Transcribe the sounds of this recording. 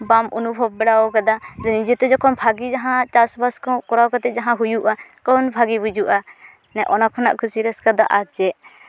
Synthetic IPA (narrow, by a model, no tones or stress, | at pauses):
bamʔunubʱɔb̚ːɛɽawɔkad̪ad̪ɔnid͡ʒɛt̪ɛd͡ʒɔkɔnbʱaɡid͡ʒaɦãt͡ʃasbaskɔkɔɾawkat̪ɛd͡ʒaɦãɦujuʔakɔnbʱaɡibud͡ʒuʔa | nɛʔɔnakʰɔna̰ʔkʰusiɾɛskad̪ɔ̰ʔat͡ʃɛʔ